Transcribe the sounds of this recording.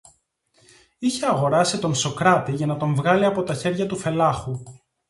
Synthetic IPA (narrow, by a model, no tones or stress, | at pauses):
içe̞ɐɣo̞ɾɐsit̪o̞nso̞kɾɐt̪iʝɐnɐt̪o̞ɱvɣɐliɐpo̞t̪ɐçe̞ɾʝɐt̪ufe̞lɐxu